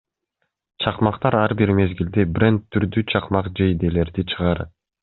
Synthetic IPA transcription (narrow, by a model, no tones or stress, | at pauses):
t͡ʃʰɑqmɑqt̪ɑɾɑɾbiɾme̞zɡild̪ibɾent̪ːyɾd̪yt͡ʃʰɑqmɑqd͡ʒejd̪ele̞ɾd̪it͡ʃʰɯʁɑɾɯ